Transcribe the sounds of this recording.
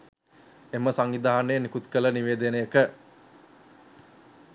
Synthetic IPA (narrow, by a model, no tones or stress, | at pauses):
eməsaŋid̪aɦanenikut̪kələniʋeːd̪ənəjəkə